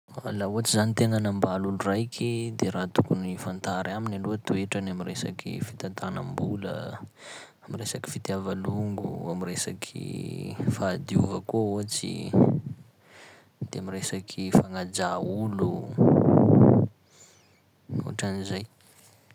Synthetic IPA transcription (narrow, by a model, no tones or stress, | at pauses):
alauat͡sizanit̪eŋanambalulurajkʰid̪eɾaːt̪ukunifant̪aɾaminaluat̪ueʈ͡ʂanamiɾesa̰kḭfi̥t̪at̪anambulə̰ | amiresaki̥fit̪javaluŋɡṵamiresa̰kʰḭfad̪iuvəkouat͡sḭ | d̪̥eamiresakʰifaŋad͡ʒaulu | ṵa̰ʈ͡ʂanizaj